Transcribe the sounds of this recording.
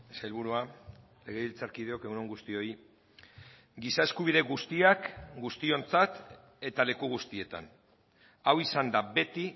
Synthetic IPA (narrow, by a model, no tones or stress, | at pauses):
eselβuɾua | le̞ɣ̞e̞βilt͡saɾkið̞e̞o̞ke̞ɣunoŋɡust̪io̞j | ɡisae̞skuβ̞iðe̞ɣust̪iakɡust̪io̞nt͡sat̪ | e̞t̪ale̞kuɣ̞ust̪ie̞t̪a̰n | awisand̪abe̞t̪i